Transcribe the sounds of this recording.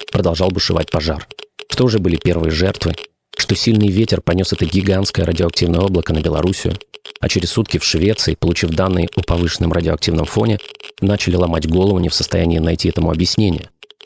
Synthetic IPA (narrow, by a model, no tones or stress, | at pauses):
pɾəd̪ɐlˠʐɑlˠbɨʂɨva̰t̚ʲpɐʐarʂt̪oʊʐɛbɨlʲɪpʲe̞rvɨjəʐɛrt̪vɨ | ʂt̪o̞sʲilʲnɨjvʲetʲɪrpɐnʲo̞sɛt̪əɡʲɪɡanskəjəɾʔədʲɪoɐk̚tʲivnəjəo̞blˠəkənəbʲɪlˠɐ̰ɾusʲɪjʊ̰ɐ̰t͡ɕɪɾʲɪsːut̪kʲɪfʂvʲe̞t̪sɨɪpəlˠʊt͡ɕifd̪anːɨjəʔopɐvɨʂnːɨmrədʲɪoɐk̚tʲivnəmfo̞nʲɪnat͡ɕɪlʲɪlˠɐmadʲɡo̞lˠəvʊnʲɪfsə̥st̪ɐjænʲɪjɪnɐjtʲiɛt̪əmʊɐbjɪsʲnʲenʲɪ̰jə